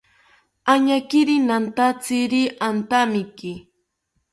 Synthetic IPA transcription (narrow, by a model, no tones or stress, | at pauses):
aɲakɪɾinant̪at͡sɪɾiʔant̪amɪki